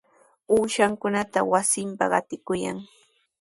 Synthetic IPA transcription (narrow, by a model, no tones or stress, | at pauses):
uːʃaŋkʊnat̪awasɪmpa̰ɢɑ̰t̪ɪkʊja̰ŋ